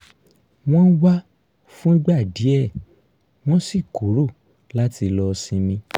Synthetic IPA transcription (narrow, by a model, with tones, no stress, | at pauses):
w̃ɔ̃˦n̩˦wa˦ | fũ˦ɡ͡ba˦˨di˨˦ɛ˦˨ | w̃ɔ̃˦si˦˨ku˨˦ɾo˦˨ | la˦ti˧lɔ˧sĩ˧mĩ˧